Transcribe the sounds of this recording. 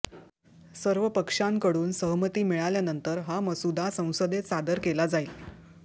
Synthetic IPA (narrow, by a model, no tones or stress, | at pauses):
səɾʋəpəkʂaŋkəɽuːnsəɦmət̪iːmiɭaljanənt̪əɾɦaməsud̪ʱasə̃w̃səd̪esad̪əɾkelad͡zail